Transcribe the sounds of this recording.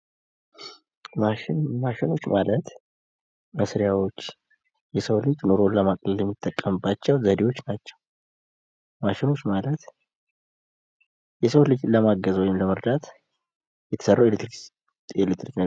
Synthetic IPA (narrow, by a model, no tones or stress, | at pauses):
maʃɪnmaʃɪno̞t͡ʃːmalət̪ | məsɾjawo̞t͡ʃː | jɛsəwlɨd͡ʒnoɾo̞ləmakʼləljɛmːit̪ʼːəkʼːəmbat͡ʃːɛwzəd̪ewo̞t͡ʃːnat͡ʃːɛw | maʃɪno̞t͡ʃːmalət̪ | jɛsəwlɨd͡ʒləmaɡəzwɔjɪmləməɾd̪at̪ | jɛt̪ʰə̥sərːawelt̪ɾ | elet̪ːɾiknə